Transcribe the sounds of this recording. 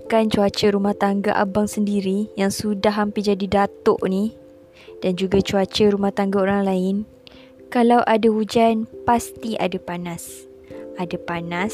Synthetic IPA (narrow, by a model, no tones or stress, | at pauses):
kant͡ʃuat͡ʃəɾumaht̪aŋɡaʔa̰baŋsəndiɾijaŋsudaɦːampɪd͡ʒadidat̪ʊʔni | d̥and͡ʒuɡat͡ʃuat͡ʃəɾumaht̪aŋɡaoɾaŋlaɪn | kalawʔadahud͡ʒanpast̪ia̰dapanas | adapanas